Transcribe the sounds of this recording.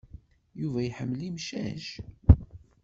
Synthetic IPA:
juvæjħəmːlimʃæʒ

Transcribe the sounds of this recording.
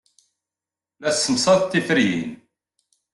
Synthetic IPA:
læsːəmsˤɑðt̪ːifəɾijḭn

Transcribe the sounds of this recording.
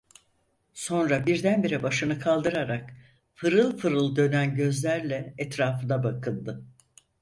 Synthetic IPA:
so̞nɾabiɾd̪ænbiɾibaʃɯnɯkʰalˠd̪ɯɾaɾak | fɯɾɯlˠfɯɾɯlˠd̪ø̞nænɟø̞zlʲæɾlʲɛɛt̪ɾaːfɯnabakʰɯnˠd̪ɯ

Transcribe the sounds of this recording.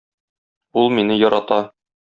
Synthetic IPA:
ulˠminɘjɒɾɑt̪ɑ

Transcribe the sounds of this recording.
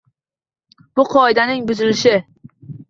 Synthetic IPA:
b̥ʊqʰɒɪd̪anɪŋbʊzɪlɪʃɪ

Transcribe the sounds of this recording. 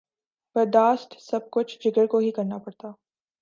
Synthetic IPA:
pɐd̪aːst̪sɐb̚kʊt͡ʃʰd͡ʒɪɡəɽkoɦikɐɾnapɐɽt̪aː

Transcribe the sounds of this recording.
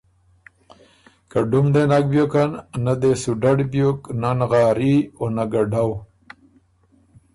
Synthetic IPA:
kaɖumɖenak̚bjokannad̪esuɖaɖbjoknanɣɑːɾionaɡaɖaw

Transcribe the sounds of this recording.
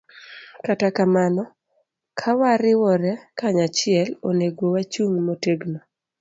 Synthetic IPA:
katakamanɔ | kʰawaɾɪwɔɾɛkaɲat͡ʃɪɛloneɡowat͡ʃuŋmoteɡno

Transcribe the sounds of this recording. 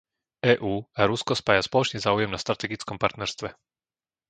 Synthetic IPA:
ɛːʔuːaɾuskɔspaːjaspɔlɔt͡ʃɲɛzaːujɛmnast̪ɾat̪ɛɡit͡skɔmpaɾt̪nɛɾst̪ʋɛ

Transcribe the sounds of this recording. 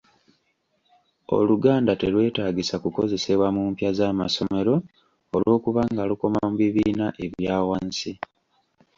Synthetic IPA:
o̞̰luɡaːndate̞lwe̞ːtaːɡisakuko̞ze̞se̞βwamuːmpjazaːma̰so̞me̞ɾo̞ | olʔo̞ːkuβaŋɡaluko̞mamuβiβiːnaʔe̞βjaːwansi

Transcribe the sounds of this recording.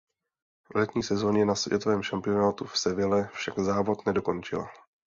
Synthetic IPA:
lɛt̪ɲiːsɛzo̞ːɲɛnasvjɛ̰t̪o̞vɛːmʃampɪo̞naːt̪ufsɛvɪlɛfʃaɡzaːvo̞t̪nɛdo̞ko̞nt͡ʃɪla̰

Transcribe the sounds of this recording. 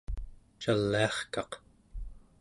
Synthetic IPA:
t͡ʃalːiɑχkɑq

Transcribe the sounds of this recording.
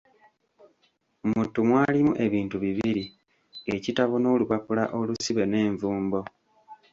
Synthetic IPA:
omutumwaːlimuʔe̞βiːntuβiβiɾi | e̞citaβono̞ːluβapula̰ʔo̞lusiβe̞ne̞ːɱvuːmbo̞

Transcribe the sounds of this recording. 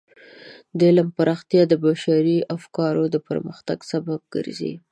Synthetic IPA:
d̪əɪləmpaɾʔɑxt̪jɑd̪əbaʃaɾiafkɑɾod̪əpə̰ɾməxt̪aɡsabab̚ɡ̥ə̰ɾzḭ

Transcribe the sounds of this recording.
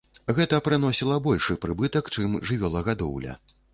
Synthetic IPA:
ɣɛt̪ɐpɾɨn̪ɔsʲilˠɐbɔlʲʂɨpɾɨbɨt̪ɐkt͡ʂɨmʐɨvʲɔlˠɐɣad̪ɔ̰wlʲɐ̰

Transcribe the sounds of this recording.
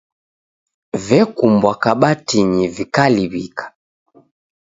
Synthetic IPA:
vɛkumbwakaɓatiɲivikaliβikḁ

